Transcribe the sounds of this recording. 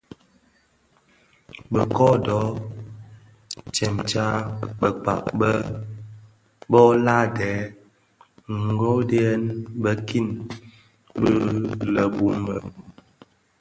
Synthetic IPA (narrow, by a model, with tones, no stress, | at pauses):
bə˨kɔ˦dɔ˨˦ | t͡ʃɛ˨mt͡ʃa˦bə˨k͡pa̰˨k̚bə˦ | bɔ˦la˦dɛː˨˦ | ŋ˨ɡo˦de˦ɛ˦nbə˦ki˦˨n | bə˦lə˨bu˦mbə̰˨